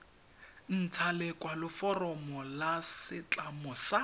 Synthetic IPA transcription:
n̩t͡sʰalɪkʼwalɪfɔrɔmɔlasɪt͡ɬʼamɔsa

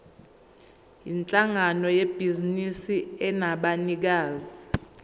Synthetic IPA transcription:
jint͡ɬʼaŋanɔjeb̥ʱizinisiɛnaɓanik̬aːzi

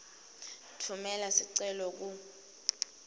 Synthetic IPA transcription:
tʰumɛlasiǀɛlɔk̬u

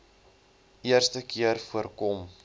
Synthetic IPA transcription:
ʔiərstəkiərfuərkɔm

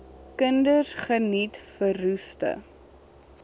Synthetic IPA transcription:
kəndəsχənitfərustə̰

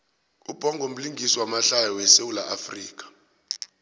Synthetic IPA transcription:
ub̥ʱɔŋɡʱom̩liŋɡʱiswamaɬajɔwɛsewulaʔafriːk̬ʼḁ

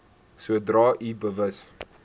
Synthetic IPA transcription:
suədrɑːʔibəvəs

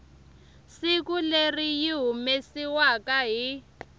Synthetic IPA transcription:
sikulerijiɦumesiwakaɦi

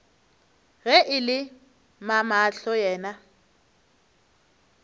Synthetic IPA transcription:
ɣɛʔɪlɪ | mamaɬɔjɛːna

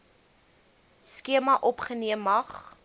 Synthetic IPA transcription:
skiəmɐʔɔpχəniəmːɐχ

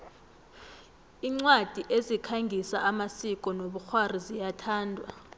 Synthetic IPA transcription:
iːŋ͡ǀwad̥ʱiʔezikʰaŋɡʱisa̰ʔamasik̬ʼɔnoɓuxwarizijatʰaːndʱwa̰

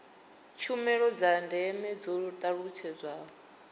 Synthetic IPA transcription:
t͡ʃʰumɛɺɔd͡zandʱɛmɛd͡zɔt̪ʼaɺut͡ʃʰɛd͡zʷaːɔ

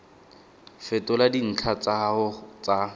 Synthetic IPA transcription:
fɛtʼʊladin̩t͡ɬʰat͡saʊt͡sa

